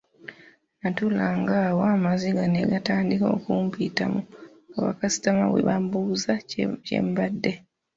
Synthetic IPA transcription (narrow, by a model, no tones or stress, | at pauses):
natulaŋɡawoamaziɡaneɡataːndikokuːmpita̰mu | kaβa̰kasi̥tamaβwḛβambuzace̞̰ːmbadːe̞